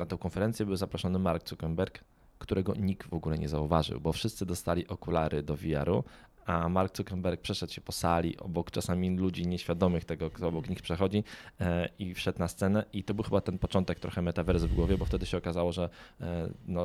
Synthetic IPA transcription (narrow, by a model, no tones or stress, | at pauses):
nat̪ɔ̃w̃kɔnfɛɾɛnt̪sʲjɛbɘwzapɾɔʂɔnɘmaɾkt̪sukɛmbɛɾkː | t̪uɾʔɛɡɔɲik̚t̪vɔɡulɛɲɛ̰zauvaʐɘ̰wbɔfʂɘst̪sɘd̪ɔst̪alʲiʔɔkulaɾɘd̪ɔvʲija̰ɾu | amaɾk̚t̪ukɛmbɛɾk̚pʂɛʂɛt̪ɕɛpɔsalʲḭʔɔ̰bɔkt͡ʂasamʲilud͡ʑiɲɛɕfʲjad̪ɔmɘxt̪ɛɡɔɔbɔkɲixpʂɛxɔd͡ʑi | ifʂɛt̪nast̪sɛnɛʔit̪ɔbɘwxɘbat̪ɛnpɔt͡ʂɔnt̪ɛk̚t̪ɾɔxɛmɛt̪avɛɾzvɡwɔvʲjɛbɔft̪ɛd̪ɘɕɛɔkazawɔʐɛ | nɔ